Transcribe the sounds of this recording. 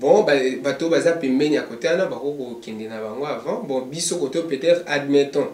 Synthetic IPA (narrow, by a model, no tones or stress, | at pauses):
bɔ̃babatobazapembɛnijakoteanabakokokɛndɛnabaŋɡoavãbɔ̃bisokotopetɛtχadmɛtɔ̃